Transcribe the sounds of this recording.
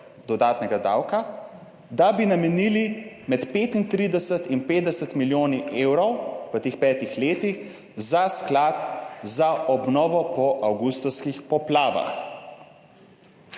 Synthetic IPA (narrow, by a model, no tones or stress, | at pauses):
d̪ɔd̪aːt̪nɛɡad̪awka | d̪abinamɛnili | mɛt̪peːt̪int̪ɾid̪ɛsət̪inpeːd̪̚d̪ɛsət̪miljoːniʔeːwɾɔwʋət̪eːxpɛːt̪ixleːt̪ix | zasklat̪zaʔɔbnɔːʋɔpɔʔawɡust̪ɔwskixpɔplaːʋa̰x